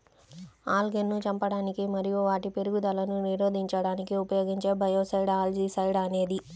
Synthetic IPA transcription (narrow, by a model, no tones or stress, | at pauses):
aːlɡenːut͡ʃɐmpɐɽaːnikimɐɾijuʋaːʈipe̞ɾuɡud̪ɐlɐnuniɾoːd̪ʱiɲt͡ʃɐɽaːnikiupɐjo̞ːɡiɲt͡ʃe̞ːbʱɐjoːsɐjɽaːld͡ʒiːsɐjɽɐne̞ːd̪i